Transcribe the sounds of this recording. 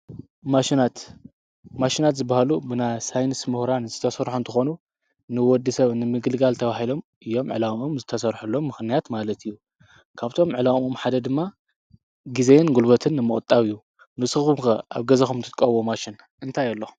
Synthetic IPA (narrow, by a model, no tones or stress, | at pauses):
maʃinat̪ | maʃinat̪zɨbahalubɨnajsajnɨsmuhɾanzɨt̪ʰɐsɐɾħunt̪ʰɨxo̞nu | nɨwɔd̪ːɨsɐβnɨmɨɡɨlɡalt̪ʰɐβaɦilo̞mʔɨjːo̞mʕɨ̰lawmomzɨt̪ʰɐsɐɾħulːo̞mːɨxnijat̪malɐt̪ʰijːu | kʰaβt̪ʰo̞mʕɨlamomħad̪ɐd̪ɨmːa | ɡizenɡulbɐt̪ʰɨnːɨmɨkʼt̪ʼːaβijːu | nɨsʼkumkɐʔa̰βɡɐzɐxumt̪ʰɨt̪ʼkʼɐβomaʃin | ʔɨnt̪ʰajɐlːo